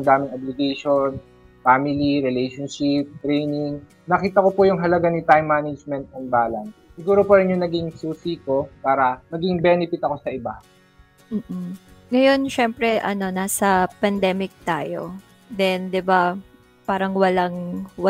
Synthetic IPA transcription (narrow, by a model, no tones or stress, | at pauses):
ŋd̪aːmɪŋɐblɪɡɛjʃon | faːmɪliɾɪlɛjʃonʃɪp̚t̪ɾɛjnɪŋ | nɐkiːt̪ɐkopʊjʊŋɦɐlɐɡanit̪ajmːaːnɪd͡ʒmɛnt̪̚ɐnbaːlɐnssɪɡuːɾopɐɾɪnjʊŋnɐɡiŋsuːsiko̞paːɾɐmɐɡiŋbɛnɪfɪt̪ɐko̞sɐʔɪba | m̩ːʔ̩ŋɐjo̞nʃɛmpɾɛʔɐ̰no̞naːsɐpɐnd̪ɛːmɪk̚t̪aːjo̰ | d̪ɛnd̪ɪba | paːɾɐŋwɐlaŋwɐ